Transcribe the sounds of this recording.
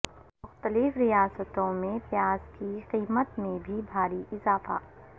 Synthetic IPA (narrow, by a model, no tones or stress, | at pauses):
mʊxt̪əlɪfɾijaːsət̪õmẽpjaːzkiqiːmət̪mẽbʱibʱaːɾiʔɪzaːfa̰ː